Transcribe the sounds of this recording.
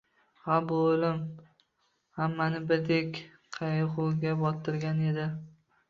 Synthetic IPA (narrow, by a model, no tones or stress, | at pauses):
habʊolɪm | hamːanɪbɪɾd̪ekʲ | qʰɑjχʊɡʲabɒt̪ʰɪɾɡʲane̞d̪ɪ